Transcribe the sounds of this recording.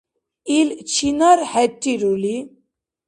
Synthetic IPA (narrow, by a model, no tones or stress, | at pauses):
ilt͡ɕʰinəɾhɛʈːiɾuli